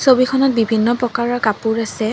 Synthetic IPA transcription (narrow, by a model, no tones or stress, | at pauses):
sobikʰɔnɔt̚bibʱinːɔpɹɔkaɹɔɹkapuɹasɛ